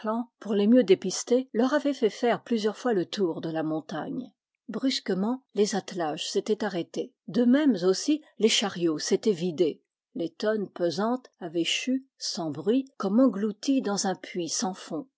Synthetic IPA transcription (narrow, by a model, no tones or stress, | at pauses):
lɑ̃puʁlemjød̪epist̪elœʁavɛfɛfɛʁplyzjœʁfwalət̪uʁd̪əlamɔ̃t̪a̰ɲ | bʁyskəmɑ̃lezat̪laʒset̪ɛt̪aʁet̪e | d̪əmɛmzosileʃaʁjoset̪ɛvid̪e | let̪ɔnpøzɑ̃t̪avɛʃysɑ̃bʁɥikɔmɑ̃ɡlut̪id̪ɑ̃zɛ̃pʰɥisɑ̃fɔ̃